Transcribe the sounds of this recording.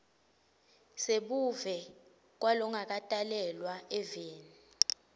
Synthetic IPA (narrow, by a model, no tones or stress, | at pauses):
seɓuvɛ | k̬walɔŋak̬ʼatʼalɛlwaɛveːni